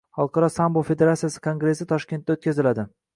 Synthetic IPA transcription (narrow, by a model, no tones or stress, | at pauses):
χɒlˠqʰɑɾɒsambolˠfe̞d̪e̞ɾat̪sijasɪ̥kʰoŋɡɾe̞sɪt̪ʰɒʃkʲent̪ːaot̪̚kʲazɪlad̪ɪ